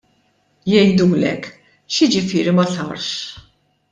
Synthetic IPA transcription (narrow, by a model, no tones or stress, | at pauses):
jɛjd̪uːlɛ̰kː | ʃɪd͡ʒɪfɪːɾimɐsɐɾʃ